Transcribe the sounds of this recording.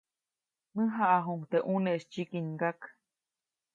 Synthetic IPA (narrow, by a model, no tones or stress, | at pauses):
mɨɦaʔaɦuŋt̪eʔuneʔst͡ʃikiɲɡak